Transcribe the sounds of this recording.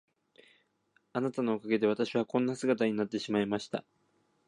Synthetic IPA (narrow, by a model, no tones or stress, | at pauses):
anat̪ano̞ːkaɡe̞d̪e̞β̞at̪aɕiβakõ̞nːasɨɡat̪aɲ̟inat̪ːe̞ɕimaimaɕi̥t̪a̰